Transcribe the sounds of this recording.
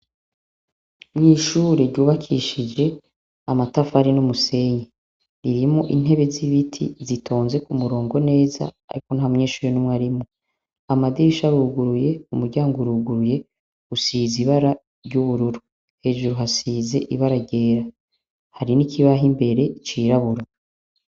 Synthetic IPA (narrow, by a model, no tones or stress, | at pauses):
mɲiːʃuːɾeɾɟuːβakʰiʃid͡ʒe̞ | amatafahaɾinumuse̞ɲe | iɾimoʔin̥ɦe̞βe̞ziβitʰḭzitʰo̞ːnze̞kumuɾo̞ːŋɡo̞ne̞ːza̰ːɾiko̞nhamŋeːʃuːɾenumŋaɾimo | amad̪iiʃaɾuːɡuɾuje̞umuɾɟaːŋɡuɾuːɡuɾuje̞ | ɡusiːziβaɾa | ɾɟuβuɾuɾu | he̞ːʒuɾuɦasiːze̞̰ʔiβaɾaɾɟe̞ːɾa | haɾinikʰiβaɦimbe̞ɾe̞it͡ʃiːɾaβuɾa